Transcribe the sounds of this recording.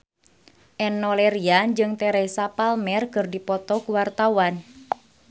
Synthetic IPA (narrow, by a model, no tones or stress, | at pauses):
ʔɛnːɔlɛɾiand͡ʒɨŋt̪ɛɾɛsapalmɛrkɨrdipɔt̪ɔkuwart̪awan